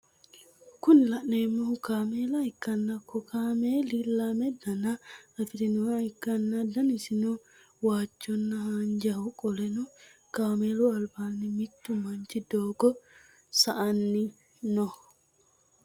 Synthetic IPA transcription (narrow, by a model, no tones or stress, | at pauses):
kʊnlɐʔneːmːokaːmeːlɐhɪkːɐnːɐkːɔkaːmeːlilːamɛd̪ɐnɐɐfɪd̪ɪnuaɪkːɐnːɐd̪ɐnɪsɪno | waːt͡ʃːɔnːɐhand͡ʒɐhʊkʼɔlɛnʊkaːmeːluɐlbaːnːɪmɪt̪ːʊmɐnt͡ʃɪd̪oːɡɔ | sɐʔɐnːɪ | nɔ